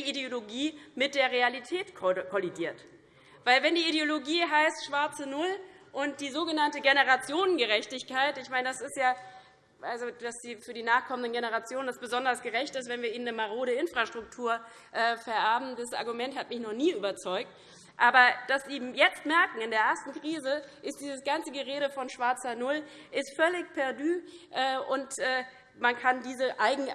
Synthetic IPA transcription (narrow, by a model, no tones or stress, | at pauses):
iideoloɡiːmɪt̚d̥eːɐʁ̞ealitʰɛːtkkʰɔlidiːɐt | vaɪlvɛndiːideoloɡiːɦaɪstʃv̥aɐt͡sənʊlʔʊnt̚d̥iːzoːɡənantəɡenəʁat͡sjoːnənɡəʁɛçtɪçkʰaɪtɪçmaɪnədasɪstjaː | ʔalzod̥asd̥iːfyːɐdiːnaːχkʰɔməndənɡenəʁat͡sjoːnəndasb̥əzɔndɐsɡ̥əʁɛçtɪstv̥ɛnviːɐʔiːnəmaʁoːɾəɪnfʁ̥aʃtʁ̥ʊk̚tʰuːɐ | ʔɛːfɛɐʔɛɐbm̩disʔa̰ɐɡumɛnthatmɪçnɔχniːyːbɐt͡sɔʏk̚t | ʔaːbɐd̥asz̥iːjɛt͡stmɛɐkŋ̩ɪndeːɐʔɛɐstn̩kʁ̥iːzəʔɪst̚d̥iːzəsɡ̥ant͡səɡəʁeːɾəfɔnʃv̥aɐt͡sɐnʊlʔɪstfœlɪçpʰɛɐdyːʔɛːʔʊntʔɛː | mankʰandiːzəʔaɪɡŋ̩